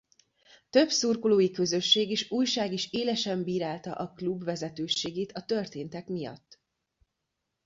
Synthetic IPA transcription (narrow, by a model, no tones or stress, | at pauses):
t̪ø̞bsurkoloːjikø̞zø̞ʃːeːɡiʃuːjʃaːɡiʃeːlɛʃɛmbiːɾaːlt̪ɒ̰ʔɒklubvɛzɛt̪øːʃeːɡeːt̪ɒt̪ø̞rt̪eːnt̪ɛkmijɒ̰t̪ː